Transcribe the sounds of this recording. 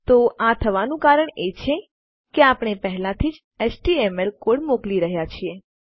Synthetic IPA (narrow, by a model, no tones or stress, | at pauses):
t̪oʔat̪ʰəʋanũkaɾəɳet͡ʃʰe | keapɽ̃epəɦɛlãt̪ʰid͡ʒ | esʈiɛmelkoɽmokliɾəɦjat͡ʃʰie